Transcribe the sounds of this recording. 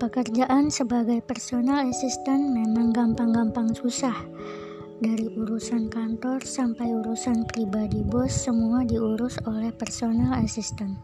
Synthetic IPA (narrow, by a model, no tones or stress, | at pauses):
pəkərd͡ʒaʔansəbaɡajpərsonalasist̪ənmemaŋɡampaŋɡampaŋsusah | daɾiʔuɾusankant̪ɔrsampajuɾusanpɾibadibɔsːəmuadiuɾʊsolɛhpərsonalasist̪ən